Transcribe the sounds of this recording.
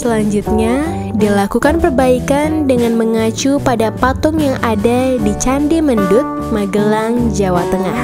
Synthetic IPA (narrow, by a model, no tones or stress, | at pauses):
səlaɲd͡ʒut̪̚ɲa | dilakukanpərbaikandəŋanməŋat͡ʃupadapat̪ɔŋjaŋadadit͡ʃandiməndʊt̪̚maɡəlaŋd͡ʒawat̪əŋah